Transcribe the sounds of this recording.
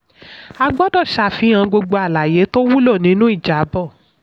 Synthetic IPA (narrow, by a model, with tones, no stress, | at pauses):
a˧ɡ͡bɔ˦dɔ˦˨ʃa˧˨fĩ˨˦ã˧ɡ͡bo˧ɡ͡bo˧a˨la˨je˨˦to˦wu˦lo˦˨nĩ˨˦nũ˦i˦˨d͡ʒa˨˦bɔ˦˨